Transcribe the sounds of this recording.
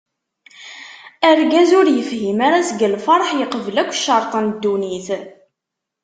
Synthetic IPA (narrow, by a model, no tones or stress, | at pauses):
əɾɡæzʊɾjəfhimaɾæsɡəlfɑɾˤħjəqəvəlækʷːʃːɑɾˤt̪ˤɑnd̪ːuniθ